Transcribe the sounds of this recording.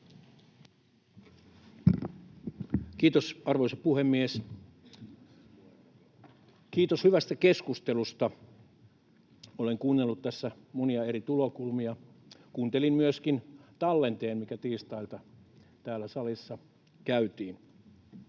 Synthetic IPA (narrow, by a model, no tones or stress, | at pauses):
kiːt̪osɑrʋoisɑpuhemːies | kiːt̪oshyʋæst̪ækeskust̪elust̪ɑ | oleŋkuːnːelːut̪t̪æsːæ | moniɑeɾit̪ulokulmiɑ | kuːnt̪elimmyøskint̪ɑlːent̪eːmmikæt̪iːst̪ɑilt̪ɑt̪æːlːæsɑlisːɑ | kæyt̪iːn